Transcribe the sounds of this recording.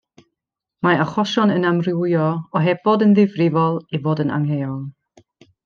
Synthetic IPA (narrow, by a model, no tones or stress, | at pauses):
maaχɔʃɔnənamrɪwjɔɔɦɛb̥ɔdənðɪvrɪvɔlˠivoːdəna̰ŋhejɔlˠ